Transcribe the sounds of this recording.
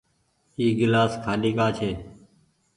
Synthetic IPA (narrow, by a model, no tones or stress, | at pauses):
iːɡɪlaːskʰaːliːkaːt͡ʃʰeː